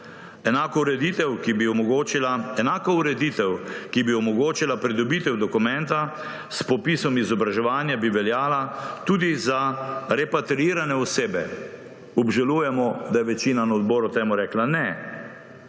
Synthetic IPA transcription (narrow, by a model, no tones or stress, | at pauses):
ɛnaːkɔɾɛd̪it̪ɛwkibiɔmɔɡoːt͡ʃilaɛnaːkɔuɾɛd̪iːt̪ɛwkibiɔmɔɡoːt͡ʃilapɾid̪ɔbit̪ɛwd̪ɔkumɛ̃nt̪a | spɔpiːsɔmizɔbɾaʒɛʋaːnjabiʋɛljaːlat̪uːd̪izaɾɛpat̪ɾiiːɾanɛɔseːbɛ | ɔbʒaluːjɛmɔd̪ajɛʋɛt͡ʃiːnanaɔd̪bɔːɾut̪eːmuɾɛklanɛ